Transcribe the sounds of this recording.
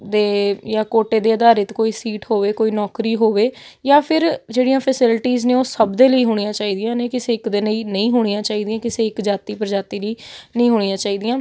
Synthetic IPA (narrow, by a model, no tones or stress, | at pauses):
d̪eːjaːkoːʈeːd̪eːəd̪aːɾət̪koːiːsiːʈɦoːʋeːkoːiːnɔːkɾiːɦoːʋeː | jaːpʰɪɾd͡ʒeːɽijãːpʰəsɪlʈiːznẽːoːsəbd̪eːləiːɦoːɽ̃ijãːt͡ʃaːiːd̪ɪjãːneːkɪseːɪkd̪eːləiːnəĩːɦoːɽ̃ijãːt͡ʃaːiːd̪ɪjãːkɪseːɪkd͡ʒaːt̪iːpəɾd͡ʒaːt̪iːliːnəĩːɦoːɽ̃ɪjãːt͡ʃaːiːd̪ɪjãː